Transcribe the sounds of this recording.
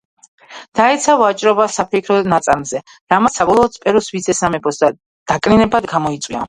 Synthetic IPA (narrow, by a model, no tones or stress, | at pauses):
d̪̥aɛt̪sʰavat͡ʃʼɾɔbasapʰɛkʰɾɔnat̪sʼaɾmzɛ | ɾamasabɔlˠɔːd̪spʼɛɾusvid̪sʰɛsamɛpʰɔsd̪a | d̪̥akʼninɛbad̪ɡamɔit̪sʼwia̰